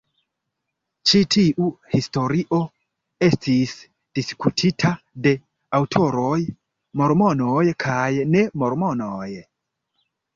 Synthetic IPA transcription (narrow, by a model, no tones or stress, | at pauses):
t͡ʃitʰiʔuhisto̞ɾiʔo̞ | e̞stʰis | d̥iskutʰitʰa | de̞ | awtʰo̞ɾoj | mo̞ɾmo̞nojkʰajne̞mo̞ɾmo̞noj